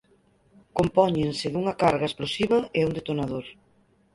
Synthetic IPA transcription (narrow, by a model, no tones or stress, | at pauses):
kompɔɲensɪðuŋɐkaɾɣaesplosiβɐeund̪et̪onaðoɾ